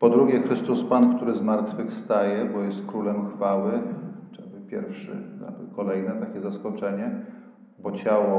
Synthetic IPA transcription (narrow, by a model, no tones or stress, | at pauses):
pɔd̪ɾuɡʲɛxɾɘst̪uspankt̪uɾɘzmaɾt̪fɘxst̪ajɛbɔjɛst̪̚kɾulɛmxfawɘtabɘpʲjɛ̰ɾfʂɘ̰a̰b̰kɔlɛjnɛt̪akʲɛzaskɔt͡ʂɛɲɛ | bɔt͡ɕawɔ